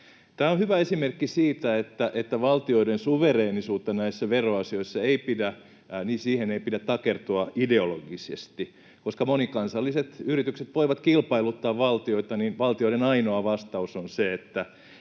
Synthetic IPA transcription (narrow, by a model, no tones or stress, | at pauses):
t̪æːonhyʋæesimerkːisiːt̪æet̪ːæʔet̪ːæʋɑlt̪ioidensuʋereːnisuːt̪ːɑnæisːæʋeroɑsioisːɑeipidæ | niːsiːheneipidæt̪t̪ɑkert̪uɑideolo̰ɡisḛst̪i | koskɑmonikɑnsɑlːiset̪yrit̪ykset̪ʋoiʋɑt̪kilpɑilut̪ːɑːʋʋɑlt̪ioit̪ɑninʋɑlt̪ioiɾenɑinoɑʋɑst̪ɑusonseet̪ːæ